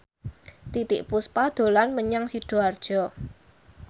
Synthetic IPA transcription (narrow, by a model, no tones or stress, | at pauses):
t̪it̪ɪ̰ʔpuspad̪̥o̤lanməɲaŋsiɖ̥o̤ard̥ʒ̥ɔ̤